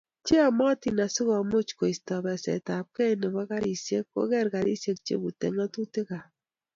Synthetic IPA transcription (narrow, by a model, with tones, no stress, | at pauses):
t͡ʃe˦a˨mɔ˦ti˨na˨si˦kɔ˨mo˦t͡ʃko˨i˨stɔ˨bɛ˨sɛ̰˨ta˨p̚kɛ˦nɪ˨ba˦ka˦ɾi˨sje˦kko̰˦kɛ˦ɾka˨ɾi˦sje˨kt͡ʃḛ˦ku˨tḛ˨ŋa˦tu˦te˦ka˨